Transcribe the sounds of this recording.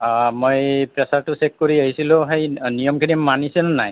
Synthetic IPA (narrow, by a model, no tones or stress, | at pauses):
mojpɹɛsaɹtʊsɛk̚koɹiaɦisilʊ̃ɦejnijɔmkʰinimanisɛnnaj